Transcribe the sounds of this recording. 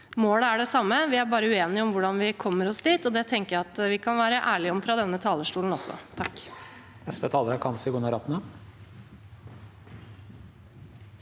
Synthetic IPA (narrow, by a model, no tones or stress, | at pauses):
moːɽəæɖɛsɑmːəʋɪæɾbɑːɾəʉeːnɪəɔmʋʊɖɑnʋɪkʰɔmːəɾɔsd̪iːt̪ɔd̪ɛt̪ʰɛŋkəjæɑt̪ʋɪkʰɑnʋæːɾəʔæːɭɪɔmfɾɑd̪ɛnːət̪ʰɑːləʂʈuːln̩ɔsːɔ̰t̪ʰɑkː | nɛst̪ət̪ʰɑːləɾæɾkʰɑnsɪɡunəɾɑt̪ːənə